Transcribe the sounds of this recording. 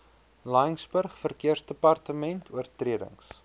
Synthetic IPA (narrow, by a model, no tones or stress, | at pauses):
lɐjəŋsbərχfərkiərsdəpɐrtəmɛntʰuərtriədə̰ŋs